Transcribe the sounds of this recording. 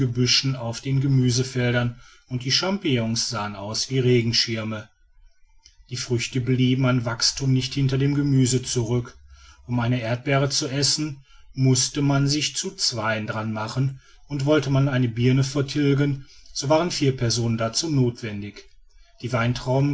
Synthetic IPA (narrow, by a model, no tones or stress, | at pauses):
əbʏʃn̩aʊfd̥eːnɡəmyːzəfɛldɐn | ʊnt̚d̥iːʃampijɔŋsz̥aːənʔaʊsv̥iːʁeːɡŋ̩ʃɪɐmə | d̥iːfʁ̥ʏçtəbliːbm̩anvakstʰuːmnɪçthɪntɐdeːmɡəmyːzət͡suʁʏkʔʊmaɪnəʔeːɐt̚b̥ɛːʁ̞ət͡suʔɛsn̩ | mʊstəmanzɪçt͡sut͡sv̥aɪəndʁanmaχən | ʔʊntv̥ɔltəmanʔaɪnəbiɐnəfɛɐtʰɪlɡənz̥oːvaːʁənfiːɐpʰɛɐzoːnəndat͡suːnoːtv̥ɛndɪç | d̥iːvaɪntʁ̥aʊmə